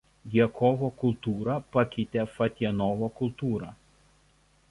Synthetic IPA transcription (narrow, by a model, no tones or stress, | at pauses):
ɡʲiɛkʰɔːʋoːkʊlˠˑt̪uːɾɐpɐkʲɪt̪ʲeːfɐt̪ʲiɛnoːʋoːkʊlˠt̪uːɾɑ